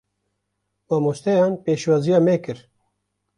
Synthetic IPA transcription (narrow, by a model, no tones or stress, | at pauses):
maːmoʃt̪ɛjɑːnpeːʃwɑːzijɑːmeːkɨɾ